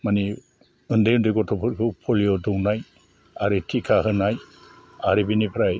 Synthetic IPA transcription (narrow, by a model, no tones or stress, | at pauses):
mani | ɯndɯjɯndɯjɡɔtʰɔpʰɯt̚kʰɯpʰɔliɔdɯwnaj | aɾitʰikʰaɦɯnaj | aɾibinipʰɾaj